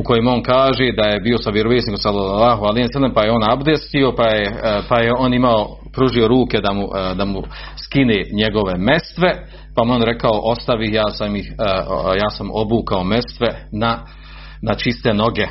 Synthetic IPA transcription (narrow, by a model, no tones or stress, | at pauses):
uko̞jemonkaːʒed̪ajebiːo̞saʋjeɾoʋeːt̪nikomsalolaːɦualijenselempajeoːnabd̪est̪io̞pajepajeonimao̞ | pɾuʒio̞ɾuːked̪amud̪amu | skineːɲe̞ɡo̞ʋe̞me̞st̪ʋe̞ | pamonɾekao̞ʔo̞st̪aʋihjaːsamihjaːsamo̞buːkao̞me̞st̪ʋe̞na | nat͡ʃist̪e̞no̞ɡe̞